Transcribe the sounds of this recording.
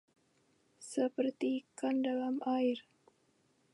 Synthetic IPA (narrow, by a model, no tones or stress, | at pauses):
səpərt̪ikandalamʔair